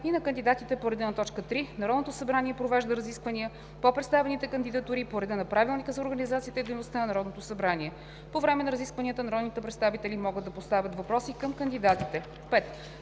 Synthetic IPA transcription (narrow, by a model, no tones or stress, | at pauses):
inɐkənd̪id̪at̪it̪ɛpoɾɛd̪ɛnɐt̪ɔt͡ʃkət̪ɾinɐɾɔd̪not̪osɐbɾaniɛpɾovɛʒd̪əɾəziskvəniə | popɾɛt̪st̪avɛnit̪ɛkənd̪id̪ɐt̪uɾipoɾɛd̪ɛnɐpɾʔavilˠnikəzɐoɾɡənizat̪siːt̪əid̪ejnost̪anɐnɐɾɔd̪not̪osɐbɾaniɛ | povɾɛmɛnɐɾəziskvəniət̪ənɐɾɔd̪nit̪ɛpɾɛt̪st̪avit̪ɛlimɔɡɤd̪ːɐpost̪avʲət̪vɐpɾɔsikəmkənd̪id̪at̪it̪ɛ | pɛt̪